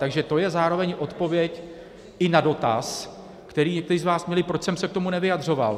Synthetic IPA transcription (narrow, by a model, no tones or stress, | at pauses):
t̪aɡʒɛt̪o̞jɛzaːɾo̞vɛɲʔo̞t̪po̞vjɛc | ɪnado̞t̪a̰s | kt̪ɛɾiːɲɛk̚t̪ɛɾiːzvaːsmɲɛlɪpɾot͡ʃsɛmsɛk̚t̪o̞munɛvɪjadr̝o̞va̰l